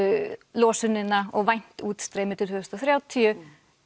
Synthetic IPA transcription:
lɔːsʏnːɪnːaɔɣvajn̥t̪uːt̪st̪ɾeːjmɪt̪ʰɪlvʏðst̪ɔθɾjaːwt̪ʰiʏ

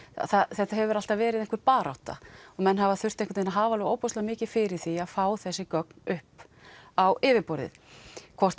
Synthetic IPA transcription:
θaθɛht̪aɦɛvʏɾal̥t̪avvɛːɾɪðɛŋkvɪɾpaːɾa̰wt̪a̰ɔɣmɛnːɦavaθʏr̥t̪ẽŋkʏt̪ejnaɦaːvalɛoːwpɔst̪amɪːcɪ̥fɪɾɪɾ̥θiaðfaːwθɛsːɪkœk̚nʏhp | awɪːvɪpɔɾðɪ̰ðkʰvɔr̥t̪

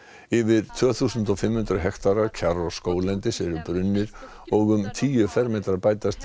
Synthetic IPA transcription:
ɪvɪɾ̥t̪ʰvœːθuːsʏnt̪ɔfɪmhʏnt̪ɾʏɦɛxt̪aɾaɾcʰaɾɔ̥skoːwlɛnt̪ɪsɛɾʏpɾʏnːɪɾ̥ | ɔɣʏmt̪ʰiːjʏfɛɾmɛːt̪ɾaɾpaːjt̪ast̪

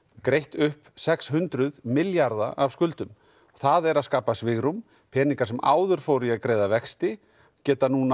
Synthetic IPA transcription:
kɾejht̪ʏhpsɛkshʏnt̪ɾʏðmɪljaɾðaʔavskʏlt̪ʏm | θaðɛɾaðskaːpasvɪɣɾum | pʰɛːniŋkḁsɛmʔa̰ːwðʏɾ̥fowɾiaðkɾeːjðavɛkst̪ɪ | cɛːt̪anuːna

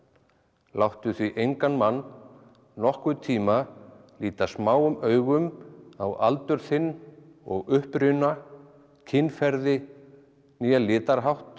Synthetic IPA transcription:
lawht̪ʏθviʔejŋkanmanː | nɔhkvʏt̪ʰiːma | liːt̪asmaːwʏmœːɥɣʏma̰wa̰lt̪ʏɾθɪnː | ɔ̰ɣʏhpɾʏna | cʰɪnːfɛɾðɪ | niːalɪːt̪aɾɦawht̪

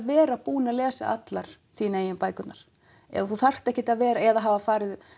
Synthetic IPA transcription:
vɛːɾaðpuːnalɛːsa̰ʔa̰t̪laɾ̥ | θiːneːjɪmpaːjkʏt̪naɾ̥ | ɛ̰ðaθuθar̥t̪ɛhcɪt̪aðvɛːɾaɛðaɦaːvafaːɾɪð

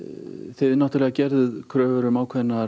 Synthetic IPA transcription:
θeðɪnaht̪alɛɣacɛɾðʏðkʰɾœːvʏɾʏmaːwkʰvɛnːaɾ

